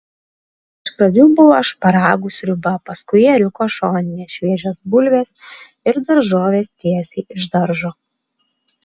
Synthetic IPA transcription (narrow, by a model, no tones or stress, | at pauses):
ɪʃpɾɐd͡ʒʲuːbʊʋoːʃpɐɾɑːɡʊːsʲɾʲʊbɐpɐskʊɪjɛɾʲʊkoːʃoːnʲɪjɛʃʲʋʲiɛd͡ʒʲoːsbʊlʲʋʲeːs | ɪɾd̪ɐɾʒoːʋʲeːst̪ʲiɛsʲɛːɪʒd̪ɐɾʒoː